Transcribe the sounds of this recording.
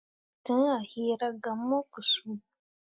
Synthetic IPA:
tɨ˨˦ŋ˦a˨hiː˦ɾa˦ɡa˨mːɔ˦kɨ˨suː˦

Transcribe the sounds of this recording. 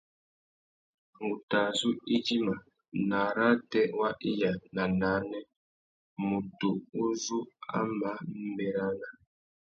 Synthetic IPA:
ŋu˨ta˨zu˦i˦d͡ʒi˦ma˨ | na˨ɾa˦tɛ˦wa˦ʔi˦ja˨na˨na˨˦nɛ˦ | mu˨tu˨u˦zu˦a̰˦ma˦m̩˦bɛ˨ɾa˦na˨

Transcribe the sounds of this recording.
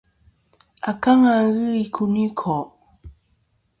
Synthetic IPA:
a˨ka˦ŋaɣɯ˦ikʰuni˦kʰɔ˨

